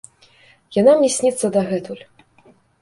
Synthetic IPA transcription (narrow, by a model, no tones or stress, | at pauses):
janamʲisʲnʲit̪sːɐd̪ɐɣɛt̪ulʲ